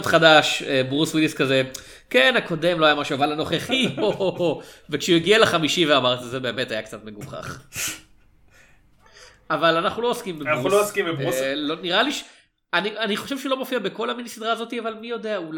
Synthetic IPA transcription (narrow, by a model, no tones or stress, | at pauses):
t̪χadaʃebʁuswiliskaze | kenako̞de̞mlo̞ajamaʃuavalano̞χeχiovekʃeujeɡialeχamiʃiveamaʁt̪izebeːme̞t̪ajakt͡sat̪me̞ɡuχa̰χ | avalanaχnulo̞oskimbealooskimbeuloniʁaliʃ | anianiχo̞ʃevʃeulo̞mofiabeko̞laminisid̪ʁaːzo̞t̪iavalmijo̞de̞aul